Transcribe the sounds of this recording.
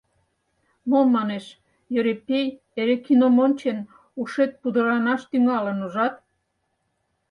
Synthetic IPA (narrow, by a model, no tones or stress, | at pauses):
momːɑneʃ | jøɾepej | eɾekinomonʲt͡ɕen | uʃet̪̚pud̪əɾɑnɑʃt̪yŋɑlənuʒɑt̪